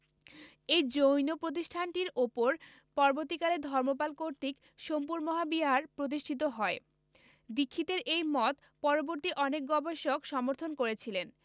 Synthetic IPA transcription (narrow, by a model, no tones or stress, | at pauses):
ejd͡ʑojnopɾot̪̬iʃʈʰanʈiɾopoɾ | pɔɾoboɾt̪ikaled̪ʱɔɾmopalkoɾt̪ik | ʃompuɾmɔɦabiɦaɾpɾot̪̬iʃʈʰit̪̬oɦɔe | d̪ikʰːit̪eɾejmɔt̪ | pɔɾoboɾt̪iʔɔnek̚ɡɔbeʃokʃɔmoɾt̪ʰonkoɾet͡ɕʰilen